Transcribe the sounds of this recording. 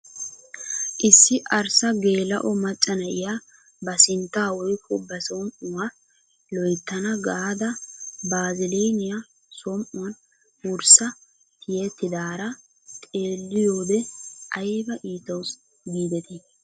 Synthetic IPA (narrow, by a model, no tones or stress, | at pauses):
ʔɪsːɪʔɐɾsɐɡe̞ːlɐ̰ʔɔmɐt͡ʃʼːɐnɐʔɪjaː | bɐsɪnt̪ːaːwɔjkʰːɔbɐsɔmʔʊwa | lɔjt̪ːɐnɐɡad̪ɐbaːzɪleːnɪja | sɔmʔʊwn | wʊɾsɐ | t̪ʰɪjɛt̪ːɪd̪aːɾɐ | t̪ʼe̞ːlːɪjo̞ːd̪ɛʔɐjbɐʔiːt̪ɐws | ɡiːd̪ɛt̪ʰi